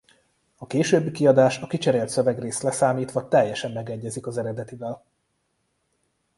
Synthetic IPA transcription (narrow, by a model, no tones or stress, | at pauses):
ɒkeːʃøːbːikiɒd̪aːʃɒkit͡ʃɛɾeːlt̪søvɛɡreːst̪lɛsaːmiːt̪ʋɒt̪ɛjːɛʃɛmːɛɡɛɟːɛzikɒzɛɾɛd̪ɛt̪ivɛl